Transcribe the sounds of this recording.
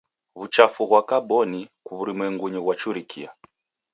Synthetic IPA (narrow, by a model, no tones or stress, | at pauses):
βut͡ʃafuɣwakabɔnikuβuɾimwɛŋɡuɲɔɣwat͡ʃuɾikʰḭa